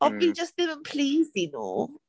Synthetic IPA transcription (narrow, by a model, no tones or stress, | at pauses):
ɔid͡ʒʌstɪvə̃npʰleːzino̰ː